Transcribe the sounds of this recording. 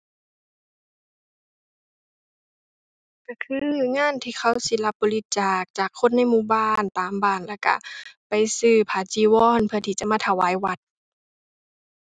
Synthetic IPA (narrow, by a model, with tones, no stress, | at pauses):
kɔ˧˩kʰɯː˧˥˧ŋaː˧˥˨nt̪ʰiː˧˨xʰa˧˩wsi˧˨la˧p̚bɔː˧li˧˥t̪̚t͡ɕaː˨˩k̚t͡ɕaː˨˩kʰːo˧˥˨nːa˧˥˨jmuː˧˩˨baː˧˨nt̪aː˨mbaː˧˩nlɛ˧˩wka̰˧˩pa˨jsɯː˧˩pʰaː˨˧˩t͡ɕiː˧˦wɔː˧˥˨npʰɯ˧˩ɐt̪ʰiː˧˩t͡ɕa˧˦˨maː˧˥t̪ʰa˧˩waː˧˥˨jwa˧˦t̪̚